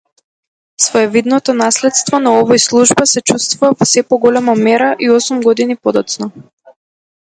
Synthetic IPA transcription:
svɔɛvid̪nɔt̪ɔnaslɛt̪st̪vɔnaɔvɔjslˠuʒbasɛt͡ʃust̪vuvavɔsɛpɔɡɔlɛmamɛɾaʔiɔsumɡɔd̪inipɔd̪ɔt̪snɔ

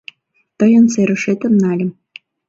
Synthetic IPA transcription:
t̪ɤ̆jɤ̆nseɾɘ̆ʃet̪ə̆mnɑlʲɘ̆m

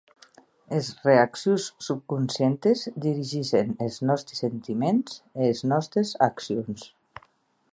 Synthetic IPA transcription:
ezreaksjusːup̚kunsjent̪ezd̪iɾiʒiʃeneznɔst̪ɾesent̪imenzeːznɔst̪ɾezaksions

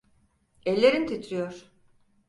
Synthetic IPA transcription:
ɛlʲːeɾint̪ʰit̪ʰɾijoɾ̥

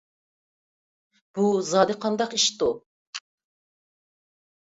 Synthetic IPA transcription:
b̥uzɑːd̪ɪqʰɑnd̪ɑqiʃt̪u

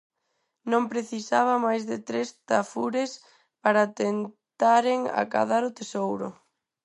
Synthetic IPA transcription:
nõmpɾeθisaβ̞ɐmajzðɪt̪ɾest̪afuɾes | paɾat̪en | t̪aɾɪŋa̰ka̰ðaɾʊt̪esowɾʊ̰

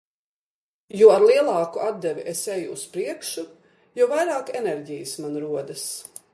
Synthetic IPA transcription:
juɔaɾlˠiɛlˠɑːkuʔad̪̚d̪ɛvʲiʔesejuːspɾiɛkʃu | juvajɾaːkɛnɛɾɟijəsmanɾuɔd̪as

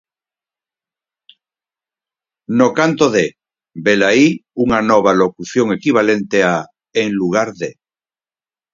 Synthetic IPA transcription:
nokant̪oðe | belaiuŋanoβ̞alokuθjoŋe̞kiβ̞ale̞nt̪ea | eŋluɣ̞aɾðe

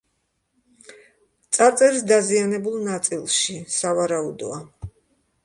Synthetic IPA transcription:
t̪sʼaɾt̪sʼɛɾisd̪azianɛbulˠnat̪sʼilˠʃisavaɾaud̪ɔ̰a

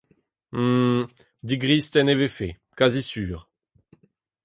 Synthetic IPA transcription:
d̪iɡʁiːst̪ɛnevefe | kazisyːʁ

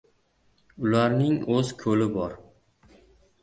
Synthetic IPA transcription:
ʊlaɾnɪŋɵzkʰɵlɪbɒɾ

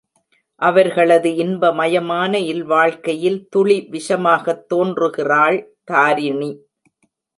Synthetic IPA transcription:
ʔɐʋɐɾɣɐɭɐðɯɪnbɐmɐjɐmaːnɐɪlʋaːɭkɐjɪlt̪ʊɭiʋɪʂɐmaːɣɐt̪ːoːndrɯɣɪraːɭt̪aːɾɪɳi

